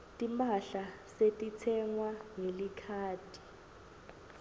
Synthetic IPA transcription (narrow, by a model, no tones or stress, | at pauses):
tʼimaɬasetʼit͡sʰɛŋwaŋelikʰaːtʰi̥